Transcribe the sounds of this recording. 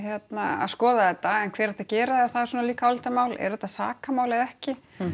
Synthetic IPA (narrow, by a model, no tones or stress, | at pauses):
çjɛt̪naa̰ðskɔːðaðɛt̪ːaɛnkʰvɛːɾḁt̪acɛːɾaðɛθaðɛɾ̥suːnaliːkaɔlt̪aɾmaːwlɛ̰ɾðɛt̪ːasa̰ːkamaːwlaðɛhcɪ